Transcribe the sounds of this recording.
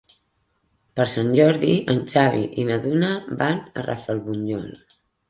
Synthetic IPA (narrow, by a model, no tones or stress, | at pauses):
pəɾsanʲʒɔɾðiənt͡ʃaβiʔinəðunəbanə̰rʔa̰fəlˠβuɲʎɔ̰l